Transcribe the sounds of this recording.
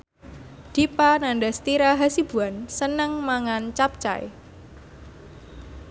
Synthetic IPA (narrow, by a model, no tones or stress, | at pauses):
d̪̥i̤panandast̪iɾaɦasib̥ṳansənəŋmaŋant͡ʃap̚t͡ʃa̰j